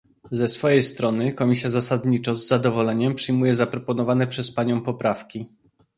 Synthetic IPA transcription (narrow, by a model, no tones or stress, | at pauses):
zɛsfɔjejst̪ɾɔnɘkɔmʲisʲjazasad̪ɲit͡ʂɔzːad̪ɔvɔlɛɲɛmpʂɘjmujɛzapɾɔpɔnɔvanɛpʂɛspaɲɔ̃w̃pɔpɾafkʲi